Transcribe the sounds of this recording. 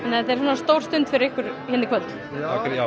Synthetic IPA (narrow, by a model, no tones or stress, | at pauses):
ɛnːahɛt̪ɛɾ̥s̬aːnast̪oːwr̥st̪ʏnt̪fɪɾɪɾɪhkʏɾ̥çɛnɪkʰvœt̪ | akɾa